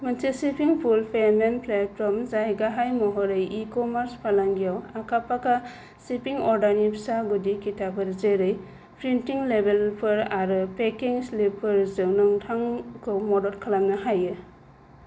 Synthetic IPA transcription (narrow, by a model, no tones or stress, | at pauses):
mɐntisipiŋpʰulpʰemenpletpɔɾmzajɡaɦajmɔɦɔɾɯjikɔmaɾspʰalaŋɡijawakʰapaka | sipiŋɔɾdanipsaɡudikitʰapʰɯɾzeɾɯj | pɾintiŋlebelpʰɯɾaɾɯpekiŋslipʰːɯɾzɯwnɯŋtʰaŋkʰɯwmɔdɔlkʰalamnaɦajɯ